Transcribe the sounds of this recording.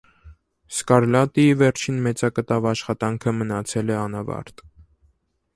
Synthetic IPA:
skɑɾlɑt̪ivɛɾt͡ʃʰinmɛt͡sɑkət̪ɑvɑʃχɑt̪ɑŋkʰəmənɑt͡sʰɛlɛɑnɑvɑ̰ɾt̪

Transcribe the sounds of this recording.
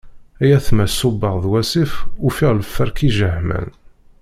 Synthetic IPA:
æjæθmæsːubəʁðwæsifʊfiʁləfːəɾkiʒəhmæ̰n

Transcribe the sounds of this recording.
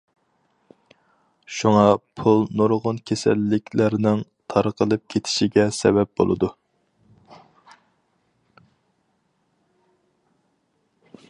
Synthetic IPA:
ʃuŋɑpʰulˠnoɾʁʊnkʲʰesɛ̰lːɪkʲʰlæɾnɪŋt̪ʰɑɾəqəlˠɨp̚kʲʰet̪ʰɪ̥ʃiɡʲɛsɛ̰bɛp̚b̥o̰lˠɨ̰d̪u

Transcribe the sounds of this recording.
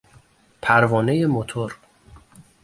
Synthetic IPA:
pʰæɾvɒːne̞jemot̪ʰoɾ

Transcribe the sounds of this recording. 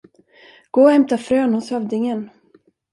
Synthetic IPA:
ɡ̥oːhɛmt̪afɾøːnhʊshœvd̪ɪŋən

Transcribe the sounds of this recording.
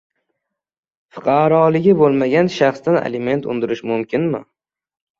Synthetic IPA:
fɨqʰɑɾɒːlˠɪɡʲɪbolˠmaɡʲanʃaχsd̪ana̰lɪme̞nt̪ʰʊ̰nd̪ɪɾɪʃmʊmkʲɪnmɪ

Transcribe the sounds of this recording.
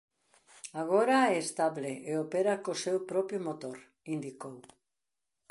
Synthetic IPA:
aɣ̞oɾaɛːst̪aβleʔeopeɾakosewpɾɔpjomot̪oɾ | ind̪ikow

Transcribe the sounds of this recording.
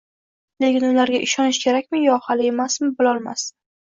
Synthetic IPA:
le̞kʲɪnʊlaɾɡʲaʔɪʃɒnɪʃkʲʰe̞ɾakʲmɪjɒhalɪemasmɪbɪlɒlˠma̰s

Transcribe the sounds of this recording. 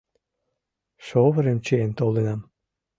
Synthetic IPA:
ʃoβəɾemt͡ɕeent̪olenɑm

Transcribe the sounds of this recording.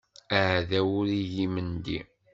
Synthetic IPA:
aʕðæwʊɾijimənd̪ḭ

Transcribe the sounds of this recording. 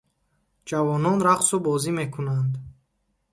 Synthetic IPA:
d͡ʒavɔnɔnɾaqsubɔzime̞kʰunand̪

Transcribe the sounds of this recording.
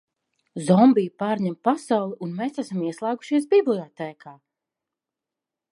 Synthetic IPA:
zɔmbijpaːɾɲɛmpasawlˠiʔunmeːsæsamiɛslˠæːɡu̥ʃiɛs̬biblˠiɔt̪ɛːkʰaː

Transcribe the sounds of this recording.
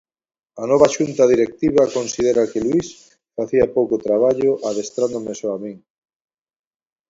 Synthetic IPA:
anɔβaʃunt̪aðiɾek̚t̪iβakonsiðeɾakɪlwis | faθiɐpowkot̪ɾaβ̞aʎoʔaðest̪ɾand̪omesoamiŋ

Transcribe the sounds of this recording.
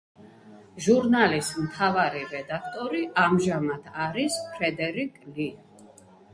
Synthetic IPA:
ʒuɾnalismt̪ʰavaɾiɾɛd̪ak̚ʰt̪ʼɔɾiʔamʒamad̪ʰaɾispʰɾɛd̪ɛɾikʼli

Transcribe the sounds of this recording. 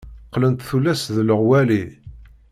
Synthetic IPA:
qːlənt̪θulːæsðləʁwæli

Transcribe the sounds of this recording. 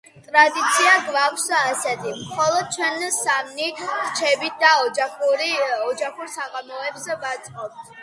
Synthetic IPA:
t̪ʼɾad̪it̪sʰiaɡvaksːsɛd̪imχɔlˠɔd̪̥̚t͡ʃʰwɛnsamniɾt͡ʃʰɛbit̪̚ʰd̪aɔɾiɔd͡ʒaχuɾsaʁamɔɛbsɛvat̪sʼqʼɔp̚t̪ʰ

